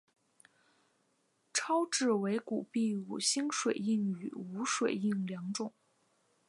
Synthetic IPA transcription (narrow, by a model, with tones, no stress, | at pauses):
ʈ͡ʂʰɑ˥ʊʈ͡ʂɻ̩˥˩we˧˥ɪku˨˩pi˥˩ṵ˨˩ɕi˥ŋʂwe˨˩ɪi˥˩ŋy˨˩u˧˥ʂwe˨˩ɪi˥˩ŋljɑ˧˥ŋʈ͡ʂʊ˨˩˦ŋ